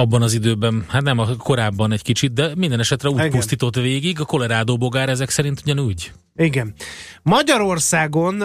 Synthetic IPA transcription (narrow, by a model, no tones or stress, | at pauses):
ɒbːɒnɒzid̪øːbɛnhat̪nɛmɒko̞ɾaːbːɒnɛckit͡ʃit̪̚d̪ɛmind̪ɛnɛʃɛt̪rɛuːcpustt̪iːt̪o̞t̪veːɡiɡɒko̞lɛɾaːd̪oːbo̞ɡaːɾɛzɛksɛɾint̪uɟɒnuːɟ | iɡɛnmɒɟɒɾorsaːɡo̞n